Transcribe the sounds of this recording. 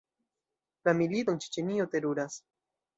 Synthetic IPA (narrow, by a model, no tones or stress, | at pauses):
lamiliðont͡ʃi̥t͡ʃeniot̪eɾuɾas